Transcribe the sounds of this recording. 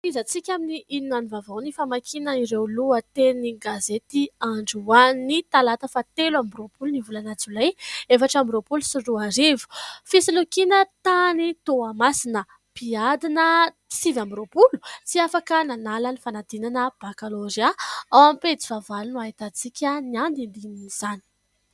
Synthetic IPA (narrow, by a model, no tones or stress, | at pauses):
fizat͡sikʲaminiʔininanivavawnifamakʰinəiɾewluət̪eniɡazet̪iaɳɖ͡ʐuanit̪alat̪əfat̪elambropulunivulanat͡sulajefaʈ͡ʂambropulusiɖ͡ʐuaɾevu̥fisilukinət̪anit̪oamasinə | piad̪inə̥ | t͡sivambiropulu̥t͡siafakənanalənifanad̪inanəb̥akaloziaawamipet͡si̥vavalunuait̪at͡sikʲəniand̪ind̪iniz̥ani̥